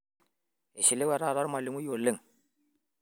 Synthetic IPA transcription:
e˨si˨le˦wɛ˨ɾa˦˨ɾa˦ɾma˨li˨mu˦jo˨lə˦˨ŋ

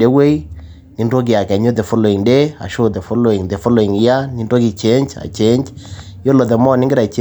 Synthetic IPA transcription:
de˦we˦i˦ | ni˦ndo˦k̬i˨a˨kɛ˨ɲo˦t̪e˨fo˦lo˨i˨ŋde˦a̰˨ʃo˦t̪e˨fo˦lo˨i˨ŋt̪e˨fo˦lo˨i˨ŋi˨ja˦ni˦ndo˦ki˨t͡ʃe˨˦ɲt͡ʃa̰˨t͡ʃe˦ɲt͡ʃ | jo˦lo˨t̪̬e˨mɔ˦˨nɪ˦ŋɡɪ˦ɾa˨t͡ʃe˦

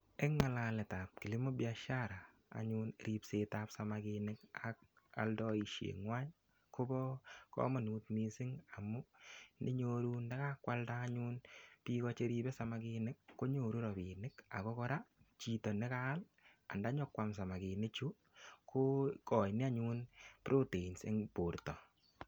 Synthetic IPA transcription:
e˦ŋːa˨lalɛ˨ta˨p̚ki˨li˦mɔ˦bja˦ʃa˦ɾa̰ː˨ | ɲunɾi˦pse˦ta˨psa˨maki˧nɪ˦ka̰k̚ | a̰˨ldɔ˦i˨ʃjḛ˨ŋwa˦ɲ | ko˦bɔ˦kɔ̰˦mɔ˨nuː˨t̚misɪ˦ŋa˨mʊ˦nɪ˦ɲoɾu˦nda˦ka˦kwa˦ltaːɲu˦npi˦kɔ˦t͡ʃe˦ɾi˦bɛ˦sa˨ma˦ki˧nɪ˦kːo˦ɲo˨ɾu˦ɾɔ˨pi˨nɪ˦ka̰˨kɔ˦kɔ˦ɾa˦t͡ʃi˨tɔ˨nɪ˦ka˦l | a̰˨nda˨˦ɲɔ˦kːwa˨ms̬a˨ma˨ki˨nɪ˦kt͡ʃu˦ | kʰo˦kɔ˨jnɪ˦a˦ɲu˦npɾo˦te˨i˨nsḛ˦ŋpo˨ɾtɔ˨

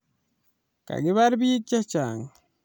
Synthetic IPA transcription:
ka̰˨ɡiβaɾbi˦k̚t͡ʃa˦t͡ʃaŋ

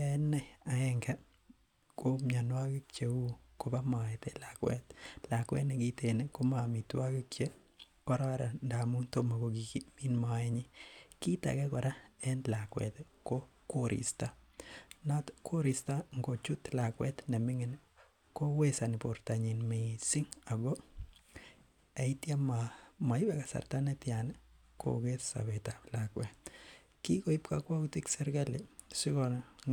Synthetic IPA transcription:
jaɛ˦nːɛ˦a˨ɛ˦ŋɡɛ˦ | ko˦mja˨nwa˦kɪ˦kt͡ʃe˨u˦ko˨ba˦mɔ˨ɛte˦lakwɛ̰tla˨kwɛ̰˦tnɛ˨ɡi˦teneko˦ma˨mi˨twa˦kɪ˦kt͡ʃe˦ | kɔ˦ɾa˦ɾa˨nda˨mu˦nto˦ma˨ko˨ɡi˨ki˦mi˦nma˨ɛ˦ɲɪki˦ta̰˨kɛ˦kɔ˨ɾa˦ɛ˦nla˨kwɛ̰t̪ | ko˦ | ko˦ɾḭ˨sta˦ | na˦tkʰo˦ɾistaŋɡo˨t͡ʃutlakwɛ˦tnɛ˨mɪ˦ŋɪn | ko˦we˦sa˨nɪpo˨ɾta˨ɲi˨nmesɪ˦ŋa˨ɡɔ˦ | a˨itja˦mama˨i˦bɛka˨sa̰˨rtanɛtja˨n | kʰo̰ɡetsa̰˨bɛtalakwɛt | ki˦ko˨i˦pkakwa˦kutiksɛ˦ɾɡa˦le | si˦kɔn

